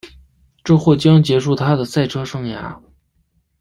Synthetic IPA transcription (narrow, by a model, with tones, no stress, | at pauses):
ʈ͡ʂɤ˥˧xwɔ˥˩t͡ɕjɑ˥ŋt͡ɕjɛ˧˥ʂu˥˩t̪ʰa˥d̪ə˨sa˥˩ɪʈ͡ʂʰɤ˥ʂɤ˥˩ŋja̰˧˥